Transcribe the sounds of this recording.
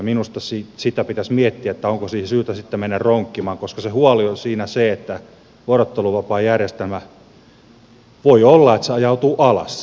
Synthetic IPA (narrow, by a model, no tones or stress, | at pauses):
minust̪ɑsisit̪æpit̪æsmiet̪ːiæet̪ːæoŋkosiːhsyːt̪æsit̪ːemenːærroŋkːimɑːŋkoskɑsehuɑliosiːnæseet̪ːæ | uorot̪ːeluʋɑpɑːjærjest̪elmæ | ʋoiolːɑet̪seɑjɑut̪uːʔɑlɑ̰s